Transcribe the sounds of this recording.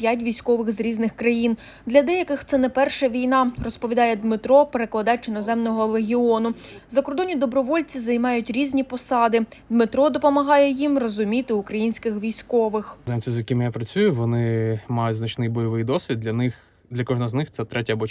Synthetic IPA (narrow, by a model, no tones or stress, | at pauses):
pʲjatʲʋʲijsʲkɔʋɪxzɾʲiznɪxkɾɐjin | d̪lʲɐd̪ɛjɐkɪxt̪sɛnɛpɛrʃɐʋʲijnɑrɔspɔʋʲid̪ɑjɛd̪mɪt̪ɾɔpeɾeklˠɐd̪ɑt͡ʃɪnɔzɛmnɔɦɔlˠeɦʲiɔnʊzɐkɔrd̪ɔnʲid̪ɔbɾɔʋɔlʲt͡sʲizɐjmɑjʊtʲɾʲizʲnʲipɔsɑd̪ɪd̪mɪt̪ɾɔd̪ɔpɔmɐɦɑjɛjimrɔzʊmʲit̪ɪʊkɾɐjinʲsʲkɪxʋʲijsʲkɔʋɪxzɛmt͡sʲizjɐkʲimjapɾɐt͡sʲujʊʋɔnɪmɑjʊtʲznɐt͡ʃnɪjbɔjɔʋɪjd̪ɔsʲʋʲid̪̚lʲɐnɪx | d̪lʲɐkɔʒnɔɔznɪxt̪ɛt̪ɾɛtʲɐbɔ